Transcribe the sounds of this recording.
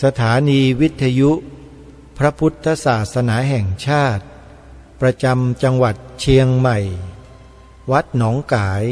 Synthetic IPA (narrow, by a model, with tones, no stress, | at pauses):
sa˧t̪ʰaː˩˦niː˧wi˦˥t̪ʰːa˧ju˦˥ʔ | pʰɾa˦˥pʰu˦˥t̪ʰːa˧saː˨˩t̪̚sa˧naː˩˦ɦɛ˨˩ŋt͡ɕʰaː˥˩t̪̚ | pɾa˧t͡ɕa˧mt͡ɕa˧ŋwa˨˩t̪̚t͡ɕʰi˧əŋma˨˩j | wa˦˥t̪̚nɔː˩˦ŋkaː˩˦j